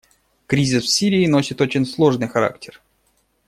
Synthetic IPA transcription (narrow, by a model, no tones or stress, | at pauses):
kɾʲizʲɪsfsʲiɾʲɪːno̞sʲɪt̪o̞t͡ɕɪnʲslˠo̞ʐnɨjxɐɾa̰ktʲɪr